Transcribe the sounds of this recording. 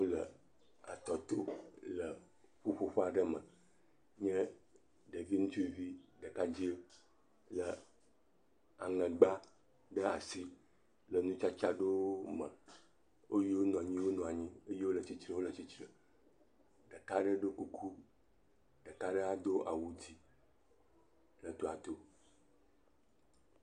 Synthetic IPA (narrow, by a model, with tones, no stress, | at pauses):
wo˦lə̰˨ | a̰˨t̪ɔ˨t̪o˦lə˨ | ɸo˦ɸo˦ɸa˨ɖə˦mə̃˨ | ɲɛ̃˦ | ɖə˨vi˦ŋũ˦t͡ɕi˦vi˦ɖə˨ka˦d͡ʑi˦ | lə˨ | a˨ŋə̃˨ɡ͡ba˦ | ɖə˦a̰˨si˦ | lə˨nũ˦t͡ʃa˦t͡ʃa˦ɖo˦mə̰̃˨ | wo˦ji˦wo˦nɔ̃˨a˨ɲĩ˦wo˦nɔ̃˨a˨ɲĩ˦e˦je˦wo˦lə˨t͡ɕi˦t͡ʃɾə̃˦wo˦lə˨t͡ɕi˦t͡ʃɾə̃˨ | ɖə˨ka˦ɖə˦ɖo˦ku˦kʰu˦ | ɖə˨ka˦ɖə˦a˨d̪o˦ʔa̰˨wu˦d͡ʑi˨ | lə˨t̪o˨a˨t̪o˦